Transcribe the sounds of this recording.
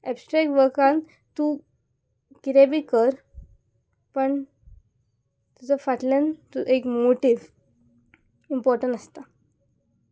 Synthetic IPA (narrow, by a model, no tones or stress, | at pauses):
ɛbsʈɾɛk̚ʈʋəɾkãn | t̪u | kiɾebʱiːkəɾ | pəɳ | t̪ut͡səfaʈlãnt̪uʔekmoʈiʋ | impɔɾʈə̃ɳʈəst̪a